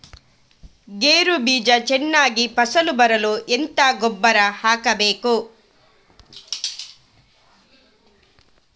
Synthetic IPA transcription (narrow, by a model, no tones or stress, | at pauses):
ɡeːɾubiːd͡ʒɐt͡ʃɛnːaːɡipɐsɐlubɐɾɐluʔent̪aːɡobːɐɾɐhaːkɐbeːku